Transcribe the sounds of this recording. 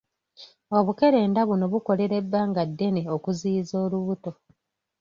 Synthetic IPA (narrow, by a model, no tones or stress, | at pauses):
o̞βuke̞ɾe̞ːndaβuno̞βuko̞le̞ɾe̞bːaːŋɡadːe̞neokuziːzo̞ːluβuto̞